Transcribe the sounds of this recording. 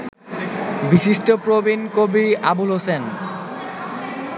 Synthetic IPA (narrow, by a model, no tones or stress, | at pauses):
bisiʃʈopɾobinkobiabulɦosen